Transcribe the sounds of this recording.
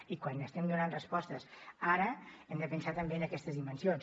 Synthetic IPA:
ikwanəst̪ɛmd̪unanrəspɔst̪əsaɾəɛmd̪əpənsat̪əmbeənəkɛst̪əzðimənsions

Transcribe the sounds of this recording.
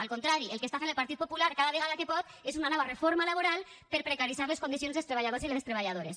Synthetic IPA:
alkont̪ɾaɾielkest̪afenelpaɾt̪it̪̚populaɾkaðaβeɣalakepɔt̪ | esunanɔβ̞arefoɾmalaβoɾal | peɾpɾekaɾiθaɾleskond̪is̬jonzðest̪ɾeβaʎaðosileest̪ɾeβ̞aʎað̞oɾes

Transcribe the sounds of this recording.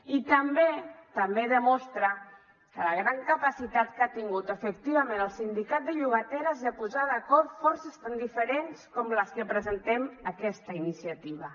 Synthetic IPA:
it̪əmbet̪əmbeðəmɔst̪ɾə | kələɣɾaŋkəpasit̪at̪kat̪iŋɡut̪əfək̚t̪iβ̞əmenəlˠsind̪ikat̪̚d̪əʎuɣ̞ət̪ɛɾəzðəpuzaðəkɔɾfɔɾsəst̪and̪ifəɾenskɔmləskəpɾəzənt̪ɛməkɛst̪əinisiət̪iβ̞ə

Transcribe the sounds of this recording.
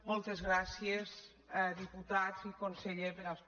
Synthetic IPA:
mɔlˠt̪ezɣɾasiez | ðiput̪azikonseʎezeɾa

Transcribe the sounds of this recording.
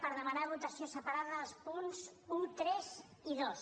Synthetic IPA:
pəɾðəmanaβut̪əsiosəpaɾaðəːlˠspunz | ut̪ɾɛz | iðos

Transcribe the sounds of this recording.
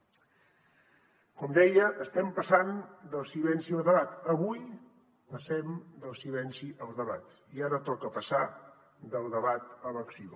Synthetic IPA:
kɔmd̪ɛjəʔːst̪ɛmpəsand̪əlˠsilɛnsiəlˠðəβat̪əβuj | pəsɛmd̪əlˠsilɛnsiʔəlˠzðəβa̰t̪ | iaɾət̪ɔkəpəsa | d̪əlˠd̪əβat̪ələksio

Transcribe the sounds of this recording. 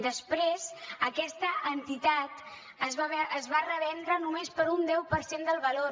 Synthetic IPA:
d̪əspɾezəkɛst̪əʔənt̪it̪at̪ | əzəzβarəβɛnd̪ɾənumespəɾund̪ɛwpəɾsend̪əlˠβəlo

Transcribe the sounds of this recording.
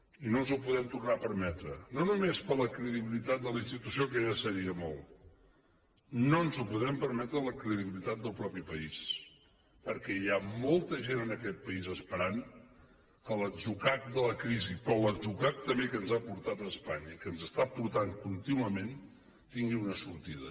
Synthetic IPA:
inonzupuðɛmt̪urnapəɾmɛt̪ɾənonumespələkɾəðiβilit̪at̪̚d̪əlinst̪it̪usiokəʒasəɾiəmɔlˠ | nonzupuðɛmpəɾmɛt̪ɾələkɾəðiβilit̪at̪̚d̪əlˠpɾɔpipəis | pəɾkɛiamɔlˠt̪əʒenənəkɛt̪̚pəizəspəɾaŋ | kələd̪zukak̚d̪ələkɾizipɾɔləd̪zukak̚t̪əmekənzapuɾt̪at̪əːspaɲəikənzəst̪apuɾt̪aŋkunt̪inuəmen | t̪iŋɡiunəsuɾt̪iðə̰

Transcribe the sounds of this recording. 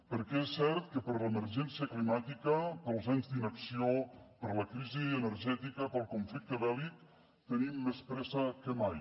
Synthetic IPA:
pəɾkɛesːɛɾt̪kəpəɾləməɾʒɛnsiəklimat̪ikəpəlˠzaɲzd̪inəksiopəɾləkɾiziənəɾʒɛt̪ikəpəlˠkuɱflik̚t̪əβɛlik̚ | t̪ənimːespɾɛzəkəmaj

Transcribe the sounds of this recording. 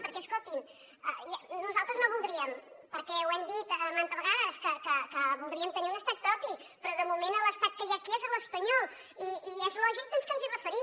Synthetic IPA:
pəɾkɛskot̪in | ə̰januzalˠt̪ɾəznoβulˠd̪ɾiəmpəɾkɛwɛmd̪it̪ːmant̪əβəɣaðəskəkəkəβulˠd̪ɾiəmt̪əniunəst̪ak̪̚pɾɔpi | pɾɔðəmumenəlˠəst̪at̪̚kəjakiɛzəlˠəspəɲɔlˠ | iːɛzlɔʒik̚d̪onskənzirəfəɾi

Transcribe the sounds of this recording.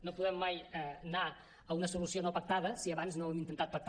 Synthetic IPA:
nopuðɛmːajɛna | əunɐsulusionopɐk̚t̪aðɐsiɐβanznoβɛmint̪ent̪at̪̚pɐk̚t̪

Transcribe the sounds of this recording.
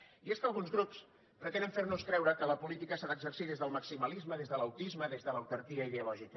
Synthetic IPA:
ieskəlˠɣ̞unzɣɾups | pɾət̪ɛnəɱfernuskɾɛwɾəkələpulit̪ikəsaðəɡzərsiðezðəlˠməksiməlizməðezðələwt̪izməðezðələwt̪əɾt̪iəiðeulɔʒikə

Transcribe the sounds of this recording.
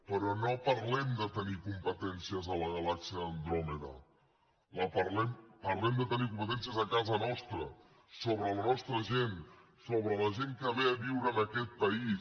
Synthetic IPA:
pəɾɔnopəɾlɛmd̪ət̪ənikumpət̪ɛnsiəzələɣəlaksiəːnd̪ɾoməðə̰ | ləpəɾlɛmpəɾlɛmd̪ət̪ənikumpət̪ɛnsiəzəkazənɔst̪ɾə | soβɾələnɔst̪ɾəʒen | soβɾələʒeŋkəβeəβiwɾəːnəkɛt̪̚pəis

